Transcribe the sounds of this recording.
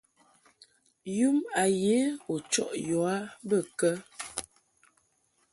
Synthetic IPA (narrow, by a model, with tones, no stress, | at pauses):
ju˦ma˨je˨˦o˨t͡ʃɔ̰˦ʔjɔ˨a˦bə˦˨kə˦